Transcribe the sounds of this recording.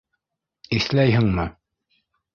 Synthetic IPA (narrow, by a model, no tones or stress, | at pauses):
iθlæjɦɘ̆ŋmɤ